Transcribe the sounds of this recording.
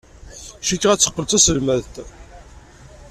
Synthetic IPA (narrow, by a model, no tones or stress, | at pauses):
ʃikːʁæt͡sːə̥qːəlt͡sæsəlmæðt̪